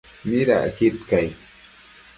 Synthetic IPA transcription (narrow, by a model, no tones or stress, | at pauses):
mɪɾa̰ʔkɪt̪kaj